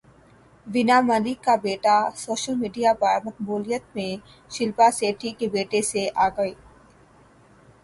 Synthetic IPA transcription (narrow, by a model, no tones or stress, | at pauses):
ʋɪnamɐlɪkːabeːʈasoːʃəlmiːɖijapəmɐk̪̚buːlɪjət̪̚mẽ | ʃɪlpaseːʈʰikebeːʈeseʔaːɡɐeː